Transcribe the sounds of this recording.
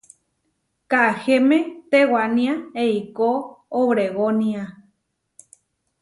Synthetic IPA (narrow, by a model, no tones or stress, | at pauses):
kahemẽt̪ewanĩaeikooβɾeɣonia